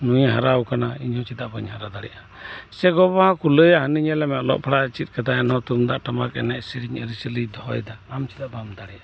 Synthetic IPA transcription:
nujɦaɾawkanaiɲhɔ̃t͡ʃid̪aʔbaɲhaɾad̪aɽɛ̰ʔa | sɛɡɔbahãkuləjaɦəniɲɛlɛmɛlɔ̰ʔpʰaɽat͡ʃit̪̚kad̪aɛnhɔ̃t̪umd̪aʔʈamakɛ̰nɛʔsiɾiɲəɾisəlid̪ɔɔ̰jd̪aːmt͡ʃi̥d̪aʔbamd̪aɽɛʔḁ

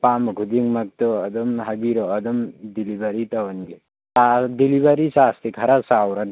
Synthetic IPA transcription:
pamɡʱud̪iŋmɐk̚t̪ɔːd̪umɦɐbiɾɔːd̪umd̪ilibɐɾit̪ɐwɐnɡe | sad̪ilibaɾisast̪ikʰɐɾasawɾɐn

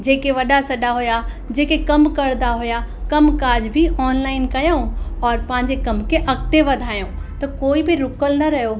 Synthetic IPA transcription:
d͡ʑeːkeʋɐɗasɐɗaɦʊja | d͡ʑeːkekɐmkɐɾnd̪aɦʊjakɐmkaːd͡ʑbʱiʔɔːnlaːɪnkɐjõɔːɾpɐ̃ɦɪɲd͡ʑekɐmkʰeʔɐkt̪eʋɐd̪ʱaːjõː | t̪ɐkoːibɪɾʊkəlnɐɾɐɦjo

